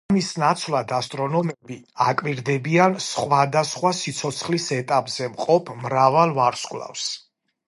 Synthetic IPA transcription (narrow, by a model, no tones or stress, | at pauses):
misnat̪sʰvlad̪ast̪ʼɾɔnɔmɛbi | akʼwiɾd̪ɛbiansχwad̪asχwasit̪sʰɔt̪sʰχlisɛt̪ʼapʼz̥ɛmqʼɔpʰmɾavalˠvaɾskʼla̰fs